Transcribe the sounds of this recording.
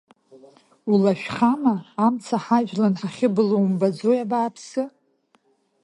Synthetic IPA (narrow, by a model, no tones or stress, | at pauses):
ulaʃᶣχamaːmt͡sʰaħaʒᶣlanħaχʲɪbɨlowmbad͡zojabaːpʰsɨ